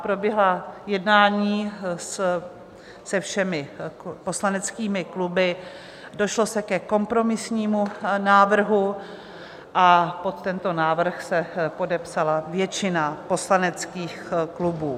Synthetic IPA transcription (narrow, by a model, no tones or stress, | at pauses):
pɾo̞bjɛɦlajɛdnaːɲiːs | sɛfʃɛmɪpo̞slanɛt͡skiːmɪklubɪ | do̞ʃlo̞sɛkɛko̞mpɾo̞mɪsɲiːmunaːvr̩ɦu | ʔapo̞t̪ːɛnt̪o̞naːvr̩xsɛpo̞dɛpsalavjɛt͡ʃɪnapo̞slanɛt͡skiːxklubuː